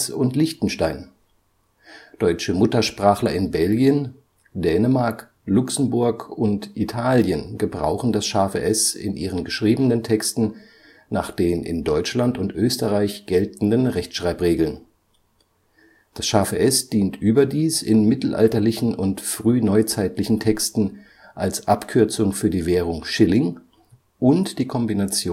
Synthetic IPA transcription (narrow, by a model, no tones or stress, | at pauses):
sʊntlɪçtn̩ʃtaɪn | d̥ɔʏt͡ʃəmʊtɐʃpʁ̥aːχlɐʔɪnbɛlɡijən | d̥ɛːnəmaɐk | lʊksm̩bʊɐkʊntʔitʰaːljənɡəbʁa̰ʊxn̩dasʃaːfə̰ʔɛsɪ̰nʔiːʁənɡəʃʁ̥iːbənəntʰɛkstn̩ | na̰ːχd̥eːnʔɪ̰ndɔʏt͡ʃlantʊntʔøːstəʁaɪçɡ̥ɛltn̩dənʁɛçtʃʁ̥aɪpʁeːɡl̩n | d̥asʃaːfəʔɛsd̥iːntʔyːbɐdiːsɪnmɪtl̩ʔa̰ltɐlɪçn̩ʊntfʁ̥yːnɔʏt͡saɪtlɪçn̩tʰɛkstn̩ | ʔalsʔapkʰʏɐt͡sʊŋfyːɐdiːveːʁ̞ʊŋʃɪlɪŋ | ʔʊntd̥iːkʰɔmbinat͡sjoː